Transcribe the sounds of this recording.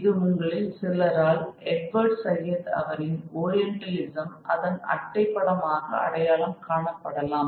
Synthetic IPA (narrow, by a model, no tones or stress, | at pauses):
ɪðɯmʊŋɡɐɭɪlsɪlɐɾaːlɛɖʋɐɾɖsɐɾɪjɐðɯɐ̰ʋɐɾɪnoːɾɪjɛɳʈɐlɪsɐmʔɐ̰ðɐnɐ̰ʈːɐɪpːɐɽɐmaːɣɐ̰ɐ̰ɽɐjaːlɐmkaːɳɐpːɐɽɐlaːm